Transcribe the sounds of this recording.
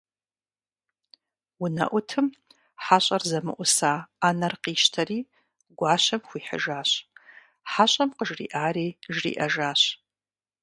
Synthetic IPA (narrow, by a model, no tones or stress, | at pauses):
wʊnɐ̰ʔʷʊtʰɨm | ħaːɕʼɐrzɐmɨ̰ʔʷʊsaːaːnɐrqiːʃtʰɐriː | ɡʷaːɕɐmxʷiːħə̰ʒaːɕ | ħaɕʼɐmqəʒrḭːʔaːɾiːʒrḭːʔɐʒaːɕ